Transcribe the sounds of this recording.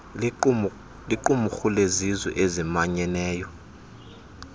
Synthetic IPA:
liǃumuxulezizwɛ̰ʔezimaɲɛnɛːjɔ

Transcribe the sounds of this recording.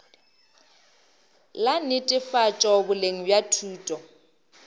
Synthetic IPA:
lanɪtʼɪfat͡ʃʼɔbʊleŋ̩bjatʰuːtʼɔ

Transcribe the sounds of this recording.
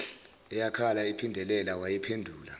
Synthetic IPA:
ɛjakʰalaipʰindʱɛlɛlawajɛpʰendʱuːla̰

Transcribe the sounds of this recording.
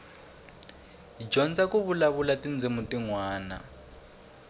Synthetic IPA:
d͡ʒɔnd͡zakuβulaβulatʼind͡zɪmutiŋwaːna̰

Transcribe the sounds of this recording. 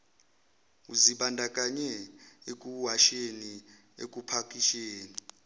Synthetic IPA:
uziɓandʱakʼaɲɛek̬ʼuɦaʃeni | ḛkʼupʰakʼiʃeːni

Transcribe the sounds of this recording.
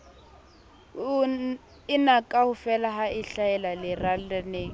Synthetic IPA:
ɪnakʼahʊfɛlaɦaʔiɬaɛlalɪralaneːŋ̩

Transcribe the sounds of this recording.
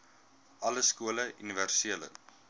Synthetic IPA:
ʔɐləskuələʔyniværsiələ̰

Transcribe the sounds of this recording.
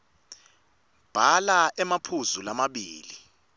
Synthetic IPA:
b̥ʱalaɛmapʰuzulamaɓiːli

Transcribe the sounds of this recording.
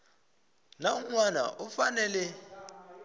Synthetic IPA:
nauŋwana̰ʔufanɛlɛ

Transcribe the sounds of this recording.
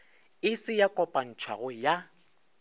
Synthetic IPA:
ɪsɪjakʼɔpʼan̩t͡ʃʰwaɣʊja

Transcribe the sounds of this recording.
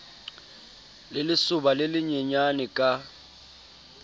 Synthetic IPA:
lɪlɪsʊbalɪlɪɲɛɲanɪkʼa

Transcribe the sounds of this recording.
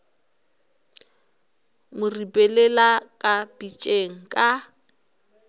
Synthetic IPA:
mʊribʼɛlɛlakʼapʼit͡ʃʼeŋ̩kʼa

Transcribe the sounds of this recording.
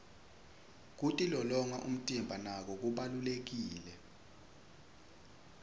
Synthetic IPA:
k̬utʼilɔlɔŋaʔṵm̩tʼimbʱanak̬ɔk̬uɓalulek̬iːlɛ

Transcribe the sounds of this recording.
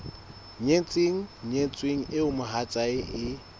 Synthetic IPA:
ɲet͡sʼeŋ̩ɲet͡sʼweŋ̩ʔɪʊmʊɦat͡sʼaɪʔɪ

